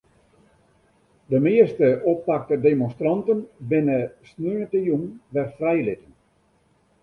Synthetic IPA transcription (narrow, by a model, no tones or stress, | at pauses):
dəmɪəstəʔoppak̚tədemɔnstrɑntənbɪnəsnyənətəjunʋɛrfrɛjlɪtən